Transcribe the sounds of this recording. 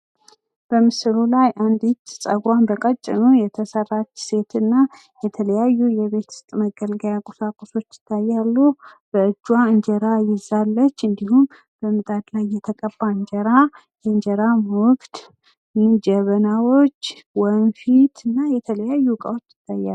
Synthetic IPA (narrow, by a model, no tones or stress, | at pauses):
b̥əmɨsɨlulajʔand̪it̪sʼəɡɾanbəkʼət͡ʃʼːɪ̰nujɛt̪ʰəsərat͡ʃːse̞t̪ʰɨnːa | jɛt̪ʰələjajːujɛβe̞t̪ʰɨ̥st̪ʼməɡəlɡəjakʼosakʼoso̞t͡ʃːjɪ̥t̪ʰːajːalːub̥əɨd͡ʒːwaɨɲd͡ʒɛɾajɪzalːət͡ʃːɨnd̪ihum | b̥əmɨt̪ʼad̪lajːɛt̪ʰəkʼəbːaɨɲd͡ʒəɾa | jɛɨɲd͡ʒɛɾaʊkt̪ | mind͡ʒəβənawo̞t͡ʃː | wɔmfit̪ʰɨnːajɛt̪ʰələjajːukʼə̰wot͡ʃːjɪt̪ʰːajːa̰lu